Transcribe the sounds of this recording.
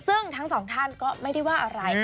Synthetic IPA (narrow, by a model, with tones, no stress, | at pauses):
sɯ˥˩ŋt̪ʰa˦˥ŋsɔː˩˦ŋt̪ʰa˥˩nkɔː˥˩ma˥˩jda˥˩jwaː˥˩ʔa˧ɾa˧j